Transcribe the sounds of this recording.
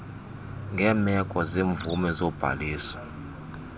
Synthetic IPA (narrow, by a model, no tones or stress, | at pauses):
ŋɡʱɛːmɛkʼɔzeːɱvumɛzɔb̥ʱa̰liːsɔ̥